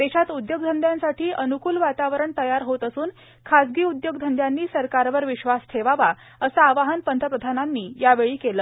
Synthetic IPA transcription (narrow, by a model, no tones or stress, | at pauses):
t̪eɕat̪ud̪joɡ̚d̪ʱənd̪ʱjãnsaʈʰiːʔənukuːlʋat̪aʋəɾəɳt̪əjaɾɦot̪əsuːn | kʰasɡiːud̪joɡd̪ʱənd̪ʱjanːiːsəɾkaɾʋəɾʋiɕʋasʈʰeʋaʋa | əsəaʋaɦənpənt̪ʰəpɾəd̪ʱananːiːjaʋeɭiːkeləː